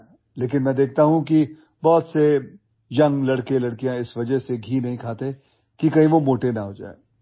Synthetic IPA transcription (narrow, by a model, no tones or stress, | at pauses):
leːkɪnmɛ̃d̪eːk̚ʰt̪aɦũki | bɔːt̪se | jɐ̃ŋɡlɐɽkelɐɽkijãɪsʋɐd͡ʒəɦseɡʱiːnɐɦĩkʰaːt̪e | kikɐɦĩʋomoːʈenɐɦoːd͡ʒa̰ːḛː